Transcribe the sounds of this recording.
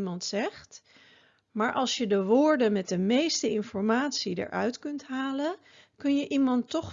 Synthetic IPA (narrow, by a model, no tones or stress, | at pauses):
mɑntsɛχt | maːɹʔɑlˠsjədəʋʊːɹdənmɛt̚dəmejstəɪnfɔɹmaːtsidə̰ɹʔœ̰ɥtkɵntɦaːlən | kɵnjəʔimɑntːɔχ